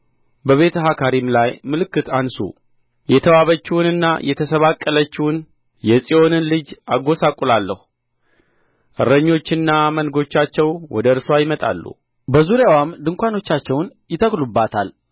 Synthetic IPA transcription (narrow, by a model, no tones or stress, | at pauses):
bəβe̞t̪ʰəɦakʰaɾimlajmɨlɨkːɨt̪ansṵ | jɛt̪ʰəwaβət͡ʃːiwʊnɨnːa̰jɛt̪ʰəsəβakʼːələt͡ʃːɪwʊn | jɛsʼio̞nɨnlɨd͡ʒaɡo̞sakʼulalːəhu | ʔɨɾəɲːo̞t͡ʃːɪnːamənɡo̞t͡ʃːat͡ʃːɛwwɔd̪əɨɾswajɪmət̪ʼa̰lːṵ | bəzuɾjawamd̪ɨŋkʷano̞t͡ʃːat͡ʃːɛwnjɪt̪ʰəklubːat̪ʰal